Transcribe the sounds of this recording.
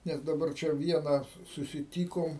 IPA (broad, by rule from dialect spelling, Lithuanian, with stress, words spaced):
ˈnʲɛs dɐˈbɐr ˈt͡ʃʲɛ ˈʋʲiɛnɐ sʊ sʊsʲɪˈtʲiːkoːm